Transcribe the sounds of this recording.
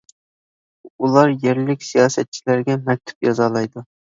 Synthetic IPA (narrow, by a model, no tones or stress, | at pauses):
ulˠɑɾjeɾlɪkʲsijɑːsɛt̪̚t͡ʃʰilæɾɡʲɛmɛk̚ʲt̪ʰu̥p̚jɑzɑlˠɑjd̪ʊ